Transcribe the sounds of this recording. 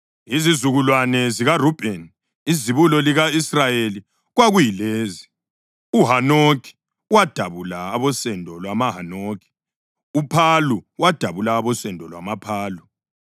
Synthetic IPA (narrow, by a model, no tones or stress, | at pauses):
izizuɣulwanɛziɣarub̥ʱɛn | iziβulɔliɣaisrajeli | ɣwaɣujileːzi̥ | uɦanokʰʼi̥ | wad̥ʱaβulaːβɔsɛndʱɔlwamaɦanokʰʼi̥ | upʰaluwad̥ʱaβulaːβɔsɛndʱɔlwamapʰaːlu